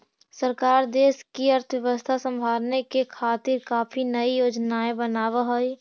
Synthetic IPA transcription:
səɾkaːɾd̪eːskiɐɾt̪ʰʋjəʋəst̪ʰasə̃mbʱaːlnekekʰaːt̪ɪɾkaːpʰinəijoːd͡ʒnaːebənaːʋaɦoi

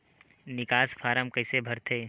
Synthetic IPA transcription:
nɪkaːspʰaːɾəmkəɪsebʱəɾt̪ʰeː

